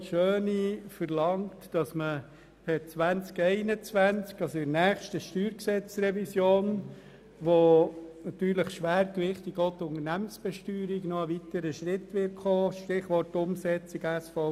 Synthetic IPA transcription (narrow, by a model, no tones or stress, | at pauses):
ʃøːnifəɾlɑŋtd̥ɑsmə | pʰɛt͡sʋænt͡skɛɪnət͡sʋænt͡skɑsɪnæːχʃtəʃtyːɾksɛt͡sɾɛvisjoːn | ʋonɑt̪yːɾləχʃʋæːɾkʋɪχtiɡɔtʊnənæmənsb̥ɛʃtyːɾiɡnɔəʋitəɾəʃɾɪtːʋɪt̚χoːʃtɪχʋɔrtːʊmsɛt͡siɡæsfɔ